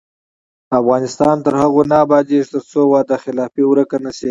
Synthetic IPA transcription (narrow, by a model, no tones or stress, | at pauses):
afɣɑnɪst̪ɑnt̪əɾhaɣonɑbɑd̪eʒt̪əɾt͡sowɑːd̪axɪlɑːfiwɾəkanase